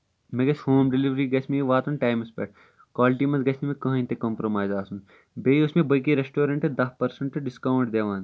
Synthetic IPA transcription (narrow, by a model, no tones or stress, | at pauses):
meɡɐshoːmɖeliʋɾiːɡɐt͡ʃʰmeiʋaːt̪unʈaːjmɪspḛːʈ̚ | kaːlʈiːmɐnt̪ɡɐt͡ʃʰmimẽkɐ̃ɦĩnt̪ekɐːmpɾomaːzaːsun | beiʊsmẽbɐk̬iɾesʈoːɾɐɳʈɨd̪ɐɦpɐɾsɐɳʈɨɖɪskɐwɖd̪eːʋãːn